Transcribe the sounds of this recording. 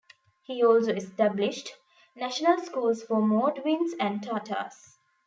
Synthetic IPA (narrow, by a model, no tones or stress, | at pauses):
hiːɔːlsoːesʈæblɪʃʈ | næʃənəlskuːlsfɔmɔːɖʋĩnsæ̃ɳɖ̚ʈʰaːʈʰə̰ːs